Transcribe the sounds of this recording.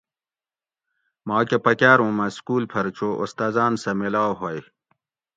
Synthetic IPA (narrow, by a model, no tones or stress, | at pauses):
maːkepɐkjaːɾũːmɐskuːlpʰɐɾt͡ɕʰoʔost̪aːzaːnsɐmilaːwɦoj